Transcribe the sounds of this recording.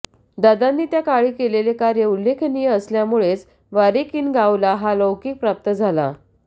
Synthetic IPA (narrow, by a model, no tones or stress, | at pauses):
d̪ad̪anːiːt̪jakaɭiːkelelekaɾjəulːekʰnijəəsljamuɭet͡s | ʋaɾekiːnɡaulaɦaləwkiːk̚pɾap̚t̪əd͡zʱala̰